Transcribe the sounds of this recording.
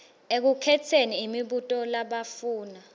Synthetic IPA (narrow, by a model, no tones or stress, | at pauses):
ek̬ukʰɛtʰeniːmiɓutʼɔlaɓafuːna